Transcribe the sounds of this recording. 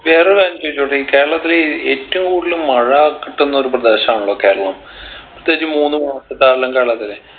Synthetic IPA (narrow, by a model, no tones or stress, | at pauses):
ʋe̞ːreɾaːnt͡ɕoʋit͡ɕːoʈːeiːke̞ːɻɐɭɐt̪ːileeːtːɐmkuːɽilumːɐɻɐakːiʈːenːɐoɾuprɐd̪eːɕɐmaːɳuɭːɐkːeːɭɐɭɐm | prɐt̪ːeːt͡ɕːimuːnːɨmɐɐsɐt̪ːaːɻlɐmkeːɭːɐt̪ːile